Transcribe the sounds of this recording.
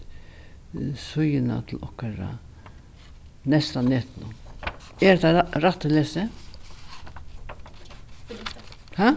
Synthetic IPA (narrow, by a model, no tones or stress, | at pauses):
sʊjɪna̰t̪ʰɪl̩ɔ̰hkaɾa̰ | nɛst̪aneːt̪nʊ | ɛɾd̪aɾat̪əleːsə | ha